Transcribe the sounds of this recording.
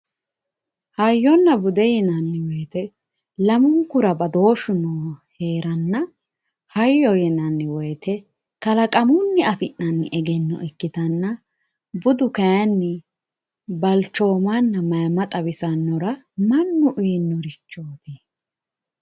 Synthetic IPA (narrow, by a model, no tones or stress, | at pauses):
hɐjːɔnːɐbʊd̪ɛjɛnɐnːɪwɔjt̪ɛ | lɐmʊŋkːʊɾɐbɐd̪o̞ːʃʊnoːhe̞ːɾɐnːɐ | hɐjːɔjɛnɐnːɪwɔjt̪ɛ | kɐlɐkʼɐmʊnːɪɐfɪnːɐnːɪ̰ʔɛɡɛnːɔ̰ʔɪkːɪt̪ɐnːɐ | bʊd̪ʊkɐjɐnːɪ | bɐlt͡ʃːo̞ːmɐnːɐmɐjmɐt̪ʼɐbɪsɐnːɔɾɐ | mɐnːʊʔʊjnːɔɾɪt͡ʃːoːt̪ɪ